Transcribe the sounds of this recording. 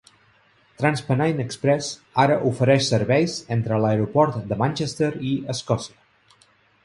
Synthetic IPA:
t̪ɾanspənajnəkspɾɛzaɾəʔufəɾɛʃsəɾβɛjzent̪ɾələeɾupɔɾt̪d̪əmanʲt͡ʃest̪əɾiəskɔsiə

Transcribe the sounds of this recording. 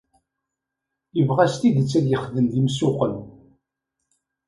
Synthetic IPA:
jəvʁæst̪id̪ət͡sːæd̪jəχðəmðimsʊqəl

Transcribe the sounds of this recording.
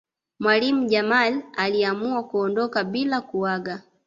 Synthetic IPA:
mwalim̩ɟamalaliamuakuɔndɔkabilakuwaɡa

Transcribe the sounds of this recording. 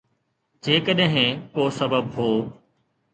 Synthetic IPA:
d͡ʑeːkəɗɦɪ̃koːsɐbəbɦoː

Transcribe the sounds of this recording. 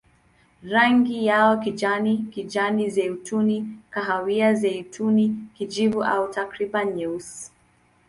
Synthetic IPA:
ɾaŋɡijaɔkid͡ʒanikid͡ʒanizɛutunikaɦawiazɛutʰunikid͡ʒivuʔa̰utakɾibanɲɛus

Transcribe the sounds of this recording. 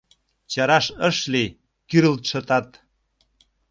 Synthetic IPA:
t͡ɕɑɾɑʃəʃli | kyɾəlt̪ʃə̆t̪ɑt̪

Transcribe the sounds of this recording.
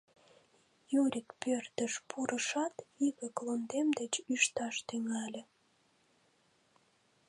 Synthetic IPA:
juɾʲikpørt̪əʃpʰuɾʔəʃɑt̪iɣəklond̪emd̪et͡ɕyʃt̪ɑʃt̪yŋɑlʲĕ

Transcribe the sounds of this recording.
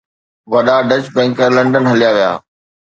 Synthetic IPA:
ʋɐɗaɖət͡ɕbɛ̃ːŋkəlɐ̃ɳɖənɦɐlijaʋija̰ː

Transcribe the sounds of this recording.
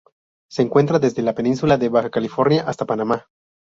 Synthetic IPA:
se̞ːŋkwe̞nt̪ɾaðe̞zðe̞lape̞nĩnsulaðe̞βaxakalifo̞ɾnjaʔast̪apanama

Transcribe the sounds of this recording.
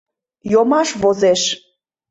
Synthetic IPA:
jomɑʃβozeʃ

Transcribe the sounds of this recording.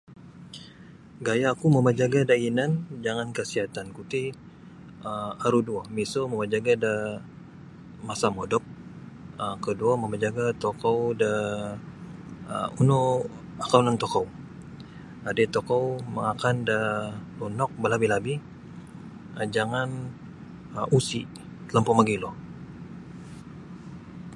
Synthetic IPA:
ɡajaːkuməməd͡ʒaɡadainand͡ʒaŋankəsiɦat̪ankut̪i | əaɾuduamisoməmad͡ʒaɡadə | masamodɔp̚ | əkəduaməmad͡ʒaɡat̪okɔwdə | uno | akaunaŋt̪okow | adet̪okɔwməŋakandəlunɔk̚bəlabilabih | d͡ʒaŋan | ʔusi | t̪ələmpɔmaɡilɔ

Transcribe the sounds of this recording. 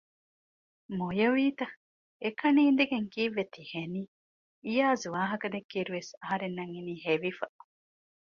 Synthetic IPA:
mojɐʋiːt̪ɐ | ekɐniːnd̪eɡeŋkiːʋːet̪iheniː | jaːzuʋaːɦɐkɐd̪ekːiːɾuʋesɐɦɐɾenːɐŋiniːɦeʋifɐ

